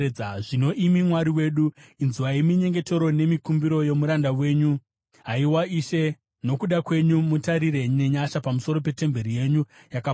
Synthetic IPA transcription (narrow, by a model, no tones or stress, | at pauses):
aʐino̞ʔimimwaɾiwe̞ːɗuinziwaimiɲe̞ŋɡe̞te̞ɾo̞ne̞mikumbiɾo̞je̞muɾandawe̞ːɲu | ɦaiwaiʃe̞ | no̞kuɗakwe̞ɲumutaɾiɾe̞ɲe̞ɲaʃapamuso̞ɾo̞p̬e̞te̞mbe̞ɾije̞ɲujaka